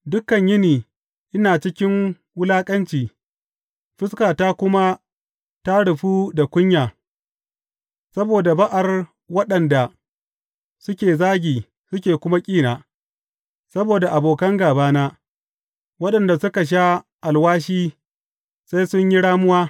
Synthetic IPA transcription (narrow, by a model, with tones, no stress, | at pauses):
dʊ˦kːɐ˨ɲjɪ˦niː˨ | ʔɪ˦naː˨t͡ʃɪ˦kʲɪ˦ŋ | wʊ˦laː˦kʼɐ˦nt͡ʃiː˨ | ɸɪ˦skaː˨taː˦kʷʊ˦ma˦ | ta˦ɽʊ˨ɸuː˦da˨kʷʊ˦ɲjaː˨ | sɐ˦boː˨da˨bɐ˦ʔa˨r | wɐ˦ɗɐ˨nda˨ | sʊ˦kʲeː˨zaː˦ɡʲiː˨ | sʊ˦k̬ʲeː˨kʷʊ˦ma˦kʲʼiː˦naː˨ | sɐ˦boː˨da˨ʔa˨boː˨kɐ˦ŋɡaː˨baː˦naː˦ | wɐ˦ɗɐ˨nda˨sʊ˦ka˨ʃ̬a˦ʔa˨lwaː˦ʃiː˦ | sa˦jsʊ˦ɲji˦ɽaː˦mʊ˦waː˦